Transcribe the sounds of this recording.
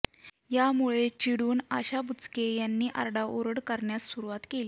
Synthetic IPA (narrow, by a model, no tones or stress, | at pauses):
jamuɭet͡ɕiɽuːnaɕabut͡skejanːiːʔa̰ɾɖaʔoɾəɽkəɾɳjasːuɾuʋat̪keli